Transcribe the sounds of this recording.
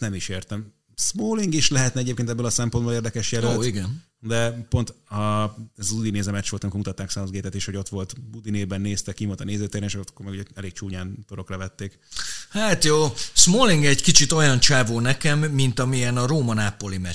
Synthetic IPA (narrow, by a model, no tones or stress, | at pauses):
nɛmiʃeːrt̪ɛm | smoːliŋɡiʃlɛɦɛt̪nɛɛɟeːp̚keːnt̪ɛbːøːlɒsɛmpo̞nboleːrd̪ɛkɛʃjɛløoːt̪ːiɡɛn | d̪ɛpo̞nt̪ɒɛzɒzud̪ineːzɛmɛt͡ʃːʋolt̪ɒmikoɾmut̪ɒt̪ːaːksanzɡeːt̪ɛt̪eːʃho̞ɟo̞t̪ʋo̞lt̪bud̪ineːbɛnːeːst̪ɛkːiʋolt̪ɒneːzɛt̪ɛɾɛneʃkokːormɛɡuɟɛɛleːk̚t͡ʃuːɲaːnt̪oɾo̞krɒvɛt̪ːeːk | haːt̪joːsmoːliŋɡɛɟkit͡ʃit̪o̞jɒnt͡ʃaːvoːnɛkɛmːint̪ɒmiɛnɒɾoːmɒnaːpo̞limɛ